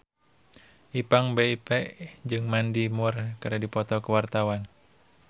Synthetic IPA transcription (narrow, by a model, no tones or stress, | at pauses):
ʔipaŋbɛipɛʔd͡ʒɨŋmandimurkaɾadipɔt̪ɔkəwart̪awan